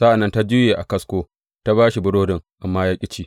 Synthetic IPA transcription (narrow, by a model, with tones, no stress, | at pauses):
sa˦ʔa˨nːɐ˦nta˦d͡ʒɪ˦jeː˨ʔa˨kɐ˦skʷoː˦ | ta˦baː˦ʃi˨bʊ˦ɽoː˦dɪ˨ŋʔa˨mːaː˦ja˦kʲʼɪ˦t͡ʃiː˦